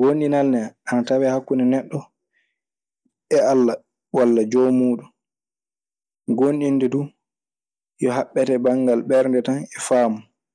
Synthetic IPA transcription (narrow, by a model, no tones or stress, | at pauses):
ɡonɗinalnɛʔanatawɛhakːunɛnɛɗːɔ | ɛalːa | walːad͡ʒɔmuːɗun | ɡonɗindɛdu | jɔɦaɓːɛtɛbaŋɡalɓɛɾndɛtanɛfaːmɔ